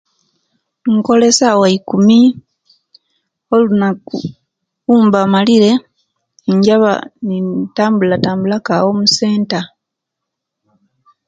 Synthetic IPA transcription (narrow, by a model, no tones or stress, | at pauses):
ŋko̞le̞sawaikumi | olunaku | uːmbamaliɾe̞ | ɲɟaβa̰nitaːmbulataːmbulakawomuse̞ːnta